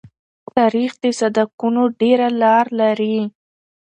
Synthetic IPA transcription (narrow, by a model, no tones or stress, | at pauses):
t̪ɑɾixd̪əsad̪akunoɖeɾalɑɾlaɾi